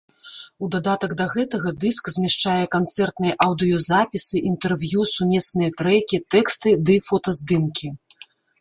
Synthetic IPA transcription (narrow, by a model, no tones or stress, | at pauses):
ud̪ad̪at̪ɐɡd̪ɐɣɛt̪ɐɣɐd̪ɨskzʲmʲɛʂt͡ʂajɛkant̪sɛrt̪nɨjɛʔɐwd̪ɨjɔzapʲisɨʔint̪ɛrvjusumʲɛsnɨjɐt̪ɾɛkʲit̪ɛkst̪ɨd̪ɨfɔt̪ɐzd̪ɨmkʲi